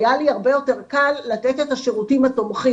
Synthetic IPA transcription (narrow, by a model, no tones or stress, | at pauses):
jaliaʁbe̞jo̞te̞ʁkalːat̪et̪et̪aʃeʁutimat̪omχi